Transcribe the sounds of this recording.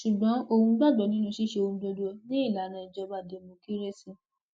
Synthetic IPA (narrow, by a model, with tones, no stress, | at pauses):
ʃu˨ɡ͡bɔ̃˨˦o˧hũ˧ɡ͡ba˦˨dɔ˨nĩ˨˦nũ˧˦ʃi˦ʃe˧o˧ũ˧do˧du˦o˧nĩ˦i˦˨la˨˦nã˧i˨d͡ʒɔ˧ba˦˨de˨˦mũ˧ki˦ɾe˦sĩ˦